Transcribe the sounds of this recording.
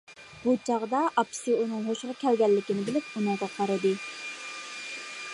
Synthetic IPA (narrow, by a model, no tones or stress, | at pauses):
but͡ʃʰɑʁd̪ɑʔɑpʰsɨunɨŋɦoʃʁɑkʲʰɛlɡʲɛlːɪkʲinɪbɪlɪp̚unɨŋʁɑqʰɑɾɨd̪ɨ